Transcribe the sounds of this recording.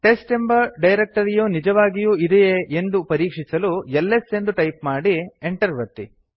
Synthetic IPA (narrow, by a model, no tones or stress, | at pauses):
ʈe̞sʈe̞mbɐɾɖɐjɾek̚ʈɐɾijoːnid͡ʒɐʋaːɡijuːid̪ɛjeend̪upɐɾiːkʂisɐluɛlːese̞nd̪uʈɐjpmaːɽieɳʈɐɾʋɐɾt̪ːi